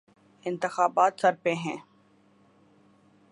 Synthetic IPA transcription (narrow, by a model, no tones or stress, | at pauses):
ɪ̃nt̪ɪxaːbaːt̪sɐɾpẽɦɛ̃ː